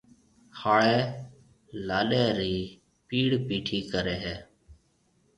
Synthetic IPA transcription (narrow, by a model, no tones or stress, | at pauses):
haːɭeː | laːɗeːɾiː | piːɽpiːʈʰiːkəɾeːɦɛː